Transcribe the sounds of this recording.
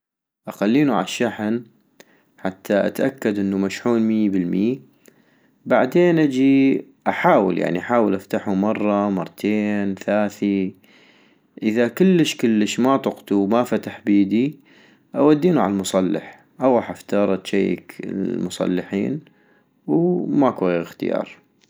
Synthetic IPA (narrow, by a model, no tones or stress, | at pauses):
ʔaxalːiːnuʕa̰ʃːaħn | ħat̪ʰːaʔa̰t̪ʔakːad̪ʔənːumaʃħuːnmibəlmiː | baʕd̪eːnʔad͡ʒi | ʔaħaːwə̰lja̰ʕniʔaħaːwəlʔaft̪aħumɑrˤːɑmɑrˤːt̪ʰeːnθaːθi | ʔəðakəlːəʃkəlːəʃmat̪ˤʊqt̪uwmafat̪aħbiːd̪i | ʔawad̪ːiːnuʕa̰lalmʊsˤɑlːɪ̰ħ | ʔawɑːħaft̪ɑːɾˤɑt̪ʃaj̰ːkə̰mʊsˤɑ̰lːɪħḭːn | wmakwajxt̪ɪ̰jɑ̰ːɾˤ